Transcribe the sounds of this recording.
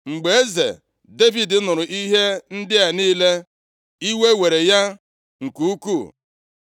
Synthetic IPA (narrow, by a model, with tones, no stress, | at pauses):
ŋ͡m̩˨ɡ͡be˨e˦zḛ˨ | de˦vi˨dɪ˨˦nʊ˨ɾʊ˨ʔi˦ɦe˦n̩˦dɪ˦a˨niː˦le˦ | i˦we˦we˨ɾe˨ja˦ | ŋ̩˨ku˦u˦ku˦˨